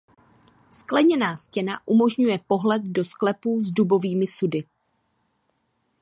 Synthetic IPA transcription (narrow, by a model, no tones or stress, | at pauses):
sklɛɲɛnaːscɛna̰ʔumo̞ʒɲujɛpo̞ɦlɛt̪̚do̞sklɛpuːzdubo̞viːmɪsudɪ